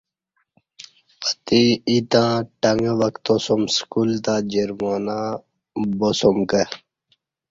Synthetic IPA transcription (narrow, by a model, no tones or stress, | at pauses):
ət̪iit̪ãːʈɐŋɡəʋəkt̪osomskult̪aːd͡ʑeɾmanã | bosomkə